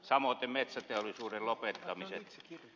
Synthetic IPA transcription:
sɑmoˑt̪emmet̪sæt̪eolːˑisuːrellopet̪ːɑmiset̪

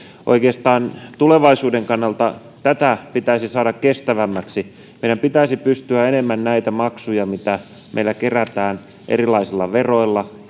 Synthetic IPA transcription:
ʔo̰ikeːst̪ɑːnt̪uleʋɑisuːdeŋkɑnːɑlt̪ɑ | t̪æt̪æpit̪æisisɑːɾɑkkest̪æʋæmːæksi | mmeiɾæmpit̪æisipyst̪yæenemːænnæit̪æmɑksujɑmit̪æ | mḛilækeræt̪æːn | ʔḛrilɑisilːɑʋeroilːɑ

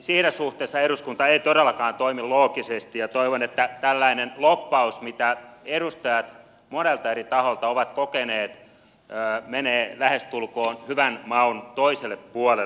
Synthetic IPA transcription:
siːnæsuht̪ˑeːsːɑeɾuskunt̪ɑeit̪odelːɑkɑːnt̪oimiloːkisest̪ijɑt̪oiʋonet̪ːæt̪ælːæinenlopːɑusmit̪æeɾust̪ɑjɑt̪ | monelt̪ɑerit̪ɑholt̪ɑoʋɑt̪kokeneːt̪ | øːmeneːlæhest̪ulkoːnhyʋænmɑunt̪oiselːeppuole

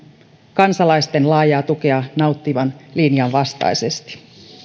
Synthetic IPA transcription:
kɑnsɑlɑjst̪e̞nlɑːjɑːt̪uke̞ɑnɑwt̪ːiʋɑnlinjɑnʋɑst̪ɑ̰jse̞st̪i̥

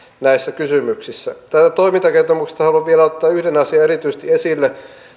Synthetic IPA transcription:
næisːækysymyksisːæt̪æt̪æt̪oimint̪ɑkert̪omukse̥st̪ɑhɑluɑʋʋielɑˑot̪ːɑːyhdenɑsiɑerit̪yise̥st̪iesilːe

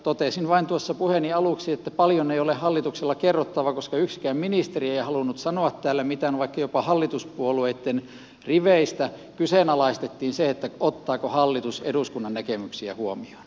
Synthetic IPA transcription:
t̪ot̪esinʋɑint̪uosːɑpuheniɑluˑksiet̪ːæpɑljoneiolehhɑlːit̪ukselːɑkerːot̪ːɑʋɑkoskɑyksi̥kæːmminist̪erieihɑlunut̪sɑnoɑt̪tæːlːæmit̪ænʋɑikːɑjopɑhɑlːit̪uspuolueit̪ːen | riʋeˑist̪æ | kyseˑnɑlɑist̪et̪ːiːnseet̪ːæot̪ːɑːkohɑlːit̪usḛduskunːɑnnækemyksiæ̰huomio̥n

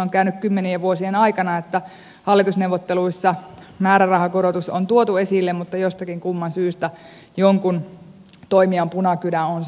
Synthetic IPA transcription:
oŋkæynykkymːenieʋuosienɑikɑnɑet̪ːæ | hɑlːit̪usneuʋot̪ːeluisːɑ | mæːɾærɑhɑkoɾot̪uso̰nt̪uot̪uesilːemmut̪ːɑjost̪ɑkiŋkumːɑnsyːst̪æ | joŋkun | t̪oimiɑmpunɑkylæons

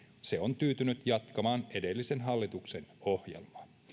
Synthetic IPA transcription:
se̞o̞nt̪yːt̪ynyt̪jɑt̪kɑmɑːne̞delːise̞nɦɑlːit̪ukse̞no̞hjḛlmɑ

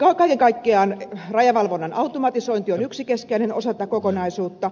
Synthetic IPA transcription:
kɑkɑikeŋkɑikːeɑːnrɑjɑʋɑlʋonːɑnɑut̪omɑt̪isoint̪ionyksikeskeineno̰sɑt̪ɑkokonɑisuːt̪ːɑ

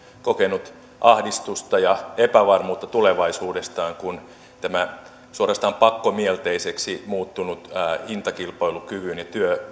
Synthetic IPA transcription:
kokenut̪ | ʔɑhdist̪ust̪ɑjɑepæʋɑrmuːt̪ːɑt̪uleʋɑisuːdest̪ɑːŋkun | t̪æmæ | suorɑst̪ɑːmpɑkːomielt̪eiseksimuːt̪ːunut̪ːint̪ɑkilpɑilukyʋynjɑt̪yø

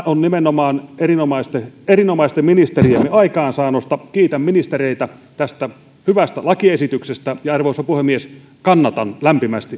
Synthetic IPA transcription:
onnimenomɑːnerinomɑist̪eerinomɑˑist̪eminist̪eriemːiɑikɑːnsɑːnost̪ɑkiːt̪æmminist̪ereit̪æt̪æst̪æ | hyʋæst̪ælɑkiesit̪yksest̪æjɑɑrʋoisːɑpuhemːies | kɑnːɑt̪ɑnlæmpimæst̪i

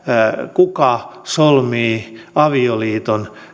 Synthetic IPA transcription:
kukɑsolmiːɑʋioliːt̪on

